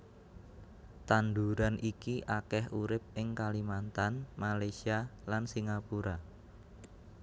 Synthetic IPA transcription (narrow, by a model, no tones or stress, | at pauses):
t̪and̪uɾanʔikiʔakɛhuɾɪp̚ɪŋkalimant̪anmalajsialansiŋapuɾa